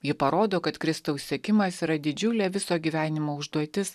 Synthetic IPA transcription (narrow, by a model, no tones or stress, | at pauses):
jɪpɐɾoːd̪oːkɐt̪kɾʲɪst̪ɐʊsʲsʲiɛkʲɪmɐsiːɾɐd̪ʲɪd͡ʒʲʊlʲɛːʋʲɪsoːɡʲiːʋʲæːnʲɪmoːʊʒd̪uɔt̪ʲɪs